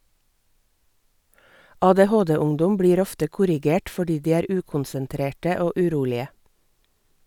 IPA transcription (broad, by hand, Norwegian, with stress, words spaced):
ɑːdeːˈhoːdeːˌʊŋdʊm ˈbɽiːɾ ˈɔftə ˈkʊɾɪˌɡeːʈ fɔˈɖiː ˈdiː ˈæːɾ ˈʉːkʊnsənˌtɾeːʈə ˈoː ʉˈɾuːlɪə